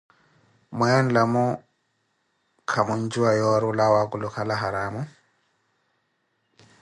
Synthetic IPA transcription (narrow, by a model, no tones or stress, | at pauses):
mwɛɔn̩lamʊ | kʰamʊn̩d͡ʒuajɔɾʊlawakʼʊlʊkʰalaɦaɾaːmʊ